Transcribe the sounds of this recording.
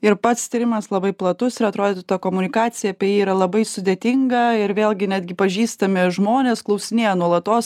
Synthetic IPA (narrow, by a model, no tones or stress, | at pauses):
ɪɾpɐt̪st̪ʲiːɾʲɪmɐslˠɐbɐɪplˠɐt̪ʊsɪɾɐt̪ɾoːd̪ʲet̪ɐt̪ɐkoːmʊnʲɪkɑːt̪sʲɪjɛːpʲɛjɛiːiːɾɐlˠɐbɐɪsʊd̪ʲeːt̪ʲɪŋɡɐɪɾʋʲeːlˠʲɡʲɪnʲæːd̪ʲɡʲɪpɐʒʲiːst̪ɐmʲɪʒmoːnʲeːsklˠɐʊsʲɪnʲeːjɛnuɔlˠɐt̪oːs